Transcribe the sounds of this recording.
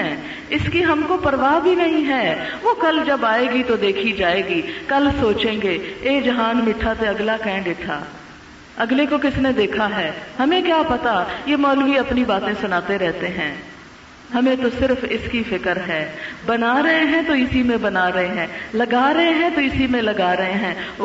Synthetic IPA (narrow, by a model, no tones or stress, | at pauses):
ɛ | ɪskiɦɐmkopɐɾʋaːbʱinɐɦĩɦɛːʋokɐld͡ʒɐbaːeːɡit̪od̪eːkʰid͡ʒaːeːɡikɐlsoːt͡ʃẽːŋɡeeːd͡ʒɐɦaːnmɪʈʰat̪eɐɡlakɛ̃ːɳɖɪʈʰːa̰ː | ɐɡlekokɪsned̪eːkʰaɦɛːhɐmẽkjaːpɐt̪ajemaːlʋiɐpnibaːt̪ẽsʊnaːt̪eɾɛɦt̪eɦɛ̃ː | hɐmẽt̪osɪɾfɪskifɪkəɾɦɛːbɐnaːɾɐɦeɦɛ̃t̪oɪsimẽbɐnaːɾɐɦeɦɛ̃ːlɐɡaːɾɐɦeɦɛ̃t̪oɪsimẽlɐɡaːɾɐɦẽɦɛ̃ː